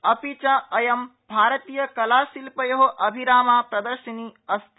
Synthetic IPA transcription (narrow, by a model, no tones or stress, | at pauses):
ɐpit͡ʃaɐjɐmbʱaːɾɐt̪iːjɐkɐlaːsilpɐjoɦoʔɐbʱiɾaːmaːpɾɐd̪ɐɾʃɐniɐst̪ʰ